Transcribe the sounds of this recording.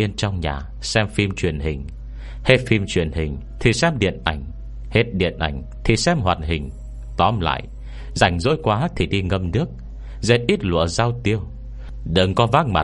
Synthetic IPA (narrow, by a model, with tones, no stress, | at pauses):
i˧ənt͡ɕɔ˧wŋ͡mɲa̰ː˨˩ | sɛ˧mfi˧mt͡ɕwi˨˩ənhï˨˩ŋ̟ | he˦˥fi˧mt͡ɕwi˨˩ənhï˨˩ŋ̟t̪ʰi˨˩sɛ˧mɗḭ˧˨ənʔa˧˩jŋ̟ | he˦˥t̚ɗḭ˧˨ənʔa̰˧˩jŋ̟ | t̪ʰi˨˩sɛ˧mɦwaː˨˩t̚ɦï˨˩ŋ̟ | t̪ɔ˨˦mla̰ː˧˨j | za˨˩jŋ̟zo̰˧˥jkwaː˨˦t̪ʰi˨˩ɗi˧ŋə˧mnɨ˦˥ək̚ | ze˨˥t̚ʔi˦˥t̚lwṵ˧˨əzaː˧wt̪i˧əw | ɗə˨˩ŋkɔ˨˦vaː˦˥k̚ma˨˩